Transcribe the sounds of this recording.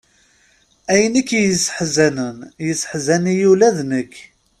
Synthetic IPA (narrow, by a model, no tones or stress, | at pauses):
æjənikːjəsħzænənjəsːħzænijulæðnəkː